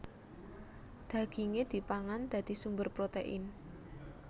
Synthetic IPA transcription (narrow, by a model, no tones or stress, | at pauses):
d̪̥a̤ɡ̥iŋed̪̥i̤paŋand̪̥ä̤d̪̥i̤sumbərpɾot̪eʔɪn